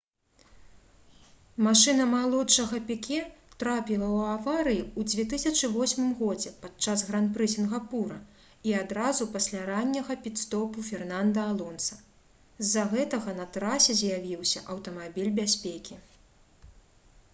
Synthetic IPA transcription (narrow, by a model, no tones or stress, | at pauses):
maʂɨnɐmalˠɔtʂɐɣɐpʲikʲɛt̪ɾapʲilˠɐwavaɾɨjiud͡zʲvʲɛt̪̬ɨsʲɐt͡ʂɨvɔsʲmɨmɣɔd͡zʲɛpat̪t͡ʂazɣɾanpɾɨsʲinɣapuɾɐ | iad̪ɾazupasʲlʲaɾanʲːɐɣɐpʲit̪st̪ɔpufʲɛrnand̪ɐalˠɔnsɐ | zːɐɣɛt̪ɐɣɐnɐt̪ɾasʲɛzʲjavʲiwsʲɐʔɐwt̪ɐmabʲilʲbʲasʲpʲekʲi